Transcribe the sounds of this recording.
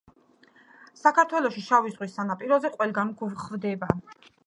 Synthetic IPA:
sakʰaɾt̪ʰwɛlˠɔʃiʃavizʁwisːanapʼiɾɔzɛqʼwɛlˠɡanɡuvχvd̪ɛba

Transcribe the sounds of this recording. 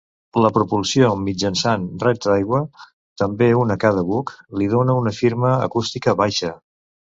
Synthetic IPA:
ləpɾupulˠsiomid͡ʒənsanrɛt̪dajɣwə | t̪əmbeunəkaðəβukliðonəunəfiɾməə̰kust̪ikəβajʃə

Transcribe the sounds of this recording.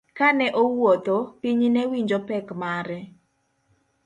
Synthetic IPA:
kanɛʔowot̪opiɲinɛwiɲd͡ʒopɛkmaɾɛ

